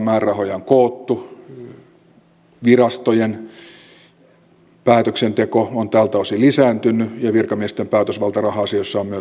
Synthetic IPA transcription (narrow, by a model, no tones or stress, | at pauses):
mæːrːɑhojɑŋkoːt̪ːu | ʋirɑst̪ojen | pæːt̪øksent̪ekoont̪æːlt̪æosilisæːnt̪ynːyjɑʋirkɑmiest̪empæːt̪øsʋɑlt̪ɑrɑhɑːsijosːɑommyø